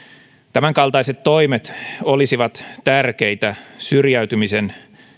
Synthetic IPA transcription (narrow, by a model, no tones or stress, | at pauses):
t̪æmæŋkɑlt̪ɑiset̪ːo̞imet̪olisiʋɑt̪t̪ærkeit̪æsyrjæyt̪ymisen